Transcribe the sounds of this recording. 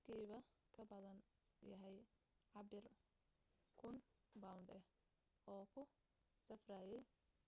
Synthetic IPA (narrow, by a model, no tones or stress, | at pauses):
kʰiːβɐkʰɐbɐðɐn | jɐɦɛj | ʕɑbɪr | kʰʊnbawnɖɛ | ɔːkʰʊ | sɐfraːjɛj